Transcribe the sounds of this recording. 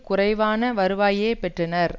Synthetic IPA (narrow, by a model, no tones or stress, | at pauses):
kʊrɐɪʋaːnɐʋɐɾɯʋaːjeːpɛʈrɐnɐɾ